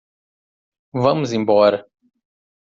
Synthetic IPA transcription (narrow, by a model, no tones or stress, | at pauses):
vɐ̃mʊzĩmbɔɾɐ